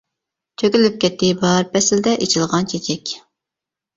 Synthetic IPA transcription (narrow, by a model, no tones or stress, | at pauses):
t̪ʰøkʲɪlɪp̚kʲʰɛt̪ːɪbɑɾpʰɛsɪld̪ɛʔet͡ʃʰɪlˠʁɑnt͡ʃʰet͡ʃʰɛkʲ